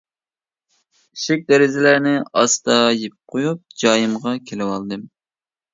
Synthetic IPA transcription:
iʃɪk̚ʲd̪ɛɾɪzɪlæɾnɪɑst̪ɑjip̚qʰojup̚d͡ʒɑːjɨmʁɑkʲʰelɪwɑlˠd̪ɨm

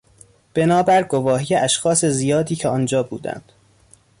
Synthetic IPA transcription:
b̥e̞nɒːbæɾɡovɒːɦiːjeʔæʃxɒːse̞zijɒːd̪iːcʰeɒːnd͡ʒɒːbuːd̪æ̰nd̪̥

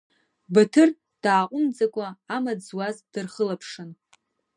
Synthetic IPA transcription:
batʰɨr | d̥aːqʷʼʊnd͡zakʷʼaːmad͡zwazd̥ɨrχəlapʰʂɨn

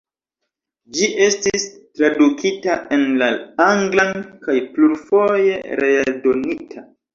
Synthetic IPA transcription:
d͡ʒiʔe̞stistɾadukitaʔe̞nlaaŋɡlankajpluɾfo̞je̞ɾedo̞nitʰa

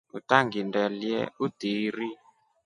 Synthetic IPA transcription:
utaŋɡindɛliɛ̰utiɾi

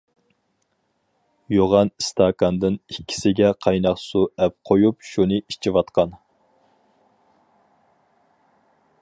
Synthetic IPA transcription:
joʁɑnist̪ʰɑkɑnd̪ɨnikʲʰːi̥sɪɡʲɛqʰɑjnɑqsuɛp̚qʰojup̚ʃunɨit͡ʃʰiwɑt̪qɑn

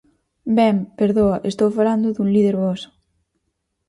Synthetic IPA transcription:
bɛmpeɾðoaʔest̪owfaland̪uðunliðeɾβɔs

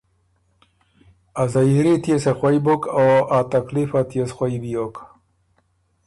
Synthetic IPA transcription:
azɐjiɾit̪jesexwajbokoat̪ɐklifat̪jesxwaibijok

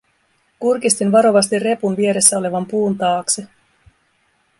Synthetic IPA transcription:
kurkist̪inʋɑɾo̞ʋɑst̪irre̞punʋie̞ɾe̞sːæo̞le̞ʋɑmpuːnt̪ɑːkse

